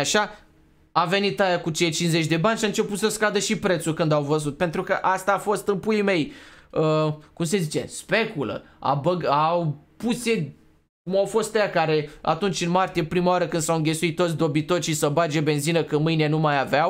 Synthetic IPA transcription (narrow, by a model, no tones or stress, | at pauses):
aʃa | ave̞nit̪ajakut͡ʃejt͡ʃinzet͡ʃʲd̪e̞banʲʃaɨnt͡ʃe̞put̪səskad̪əʃipɾe̞t̪sulkɨnd̪awvəzut̪̚pe̞nt̪ɾukəʔast̪aːfo̞st̪ɨnpujme̞jəkumse̞zit͡ʃe̞̰spe̞kulə̰a̰bəɡapuse | kumawfo̞st̪ajakaɾe̞a̰t̪unt͡ʃʲɨnmart̪ije̞pɾimawaɾəkɨnd̪sawɨŋɡʲe̞suit̪ːot̪s̬ʲd̪o̞bit̪o̞ʃisəbad͡ʒebe̞nzinəkəmɨjnienumajavaw